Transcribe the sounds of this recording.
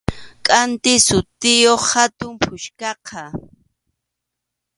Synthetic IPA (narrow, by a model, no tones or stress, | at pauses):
kʼant̪ɪsʊt̪ɪjoχhat̪ʊmpʰʊʃkɑqʰɑ